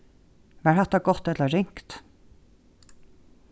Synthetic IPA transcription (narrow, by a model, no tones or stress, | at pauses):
ʋæːɾhɑt̪ːɑɡɔt̪ːɛt̪ləɹɪŋkt̪